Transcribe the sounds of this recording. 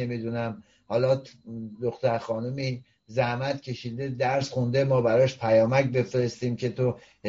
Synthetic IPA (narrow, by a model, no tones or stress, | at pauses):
emid̪unæm | hɒːlɒːd̪oxt̪æɾxɒːnumi | zæhmæt̪cʲʰe̞ʃid̪e̞d̪æɾsxund̪emɒːbæɾɒːʃpʰæjɒːmæcbe̞fɾe̞st̪iːmce̞t̪ʰo | h